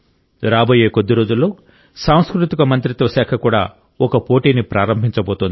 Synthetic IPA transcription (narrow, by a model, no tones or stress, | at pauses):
ɾaːbo̞ːje̞ːkod̪ːiɾoːd͡ʒulːo̞ː | saːw̃skɾut̪ikɐmɐnt̪ɾit̪ʋɐʃɛːkʰɐkuːɽa̰ː | ɔkɐpo̞ːʈiːnipɾaːɾɐmbʱiɲt͡ʃɐboːt̪und̪i